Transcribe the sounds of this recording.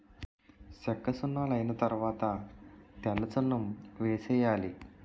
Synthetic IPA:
sekːɐsunːaləjnɐt̪ɐɾʋat̪at̪jalːɐt͡sɐnːumʋesejali

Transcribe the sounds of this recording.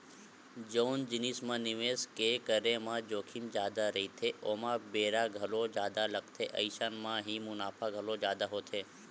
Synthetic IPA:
d͡ʒoːnd͡ʒɪnismãnɪʋeskekəɾemãd͡ʒoːkʰind͡ʒjaːd̪aɾəɦit̪ʰeʔoːmãbeːɾaɡʱəlod͡ʒaːd̪aləkt̪ʰeʔə̰ɪʃanmãɦimʊnaːpʰaɡʱəlod͡ʒaːd̪aɦot̪ʰeː

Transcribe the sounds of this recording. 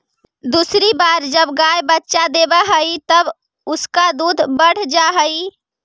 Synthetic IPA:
d̪uːsɾibaːɾd͡ʒəbɡaːjbətːʃad̪eːbaɦəit̪əb | ʊskad̪uːd̪ʱbəɽ̤d͡ʒaɦəi

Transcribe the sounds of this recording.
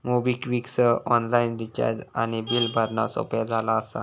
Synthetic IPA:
mubikʋiksəɔnlaindit͡ɕa̰ɾd͡ʑañibilbʱəɾnasɔ̰pjad͡zʱalaːsa̰

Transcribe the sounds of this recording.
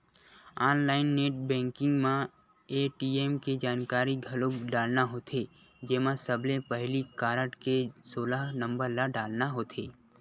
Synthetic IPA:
aːnlaːɪnːeːʈbɛ̃ːŋkɪ̃ŋɡmã | eːʈiːeːmked͡ʒaːnkaːɾiɡʱɐlokɖaːlnaɦoːt̪ʰe | d͡ʒeːmãsəblepəɦlikaːɾəʈkesoːlaɦnə̃mbəɾlaɖaːlnaɦoːt̪ʰeː

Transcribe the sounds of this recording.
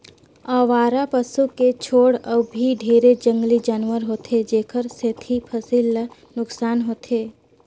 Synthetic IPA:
aːʋaːɾapəsuket͡ʃʰoːɽəbbʱiɖʱeːɾed͡ʒə̃ŋɡlid͡ʒaːnwəɾɦoːt̪ʰed͡ʒeːkʰəɾset̪ʰipʰəsilːa | nʊksaːnɦoːt̪ʰeː

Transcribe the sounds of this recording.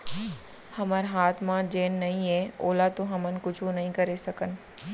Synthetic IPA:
hɐməɾɦaːt̪ʰmãd͡ʒeːnːɐĩɦẽːoːlat̪õɦɐmənkʊd͡ʒʱũnɐɦĩkɐɾesɐkənɪ̆

